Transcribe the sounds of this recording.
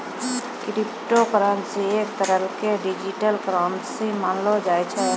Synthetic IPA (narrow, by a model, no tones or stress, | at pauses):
ɾipʈokɾaːnsieːk̚t̪əɾəlkeɖid͡ʒiʈəlkɾaːnsimaːnlod͡ʒaːjt͡ʃʰɛ